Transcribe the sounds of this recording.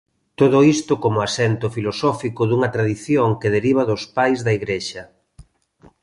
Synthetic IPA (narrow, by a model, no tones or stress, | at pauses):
t̪oðʊist̪ʊkomʊasɛnt̪ʊfilosɔfikʊðuŋɐt̪ɾaðiθjoŋkeð̞eɾiβ̞ɐðʊspajzðɐiɣɾeʃɐ